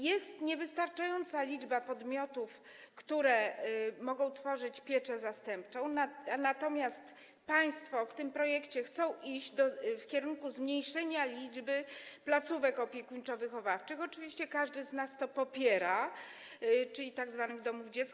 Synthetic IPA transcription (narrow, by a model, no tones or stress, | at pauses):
jɛst̪ɲɛvɘst̪aɾt͡ʂajɔnt̪salʲid͡ʐbapɔd̪mʲɔt̪uf | kt̪uɾɛmɔɡɔ̃w̃t̪fɔʐɘt͡ɕpʲjɛt͡ʂɛzast̪ɛmpt͡ʂɔ̃w̃nanat̪ɔmʲjast̪ | paj̃st̪fɔft̪ɘmpɾɔjɛkt͡ɕɛxt̪sɔ̃w̃ʔiʑd͡ʑd̪ɔfkʲɛɾunkuzmɲejʂɛɲalʲid͡ʐbɘplat̪suvɛkɔpʲjɛkuɲt͡ʂɔvɘxɔvaft͡ʂɘxɔt͡ʂɘvʲiɕt͡ɕɛkaʐd̪ɘznast̪ɔpɔpʲjɛɾa | t͡ʂɘlʲit̪aɡzvanɘɣd̪ɔmuvd͡ʑɛt̪k